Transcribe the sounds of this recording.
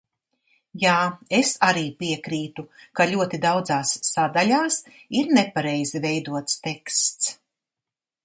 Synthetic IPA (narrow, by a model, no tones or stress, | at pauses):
jaːesaɾiːpiɛkɾiːt̪ukaʎʲuɔt̪id̪awd̪zaːsːad̪alʲaːsiɾnepaɾɛjzivɛjd̪uɔt̪st̪ekst̪s